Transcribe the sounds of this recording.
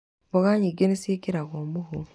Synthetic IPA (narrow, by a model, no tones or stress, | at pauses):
βoɣaɲiɡenesekiɾaɣomuhu